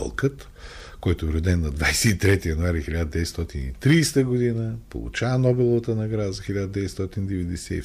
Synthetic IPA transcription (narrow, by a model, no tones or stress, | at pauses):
ɔ̰lˠkət̪ | kɔjt̪ʊvɾod̪ɛnːɐd̪vajsɛit̪ɾɛt̪ijɐnʊaɾixilʲad̪əd̪ɛvɛt̪st̪ɔt̪inḭt̪ɾiːst̪əɡod̪inəpo̰lˠṵt͡ʃavɐnɔbɛlˠovət̪ənɐɡɾazəxilʲad̪əd̪ɛvɛt̪st̪ɔt̪inid̪ɛvɛd̪ɛsɛḭ